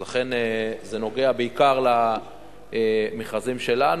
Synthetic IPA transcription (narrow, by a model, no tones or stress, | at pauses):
laχe̞nezeno̞ɡe̞abeikaʁla | miχazimʃe̞lan